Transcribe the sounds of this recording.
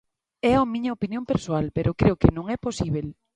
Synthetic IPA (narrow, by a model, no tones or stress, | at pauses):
ɛaomĩɲɐopinjõmpeɾsoalpeɾokɾeʊkɪnõŋɛposiβel